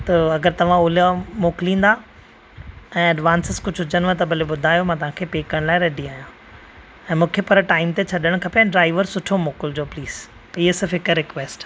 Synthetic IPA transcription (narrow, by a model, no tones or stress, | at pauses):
t̪ɐɐɡəɾt̪ɐʋ̤ãʊlamoːklĩːn̆d̪a | ɛ̃ːɐɖʋãːnsɪzkʊd͡ʑʱʊd͡ʑənʋət̪ɐbʱɐleɓʊd̪ʱaːjomãt̪ɐʋ̤ãkʰeːpeːkəɽ̃laːɪɾeɗiaːɦijã | ɛ̃ːmũːkʰepɐɾʈaːɪmt̪et͡ɕʰɐɗəɽ̃kʰɐpeɛ̃ːɖɾaːɪʋəɾsʊʈʰomoːkɪld͡ʑoːpliːz̥ | pɪɦesɪɾfɪkɾɪkʋeːsʈ